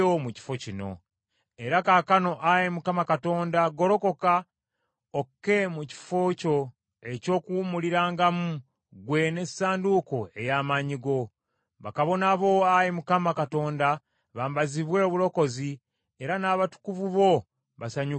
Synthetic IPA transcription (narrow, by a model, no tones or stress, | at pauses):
omuci̥fo̞cino̞̰ | e̞ɾakakano̞ʔajemukamakato̞ːndaɡo̞ɾo̞ko̞ka | okːe̞muci̥foco̞ | e̞co̞ːkuːmuliɾaːŋɡamu | ɡwe̞ne̞saːnduko̞e̞jaːmaɲiɡo̞ | βakaβonaβo̞ajemukamakato̞ːnda | βaːmbaziβwe̞oβulo̞ko̞zi | e̞ɾanaːβatu̥kuvuβo̞ | βasaɲu